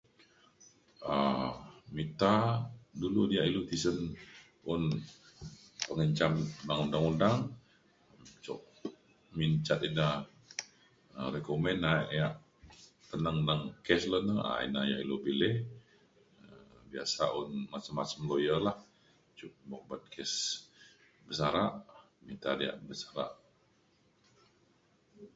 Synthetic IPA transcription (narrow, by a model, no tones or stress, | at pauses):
ə | mit̪aduludiaʔilut̪isən | ʊn | pəŋəɲt͡ʃamudaŋundaŋundaŋ | mt͡ʃɔ̰ʔ | miɲt͡ʃat̪ina | əɾekomɛnaʔjaʔ | t̪ənəŋnaŋkɛslənəa̰ḭnaja̰ʔilobilɛh | əbia̰sa̰ʔɔnmasəmasəmlojəlah | t͡ʃuʔbok̚bat̪̚kʰɛs | bəsaɾaʔ | mint̪adia̰ʔbəsaɾa̰ʔ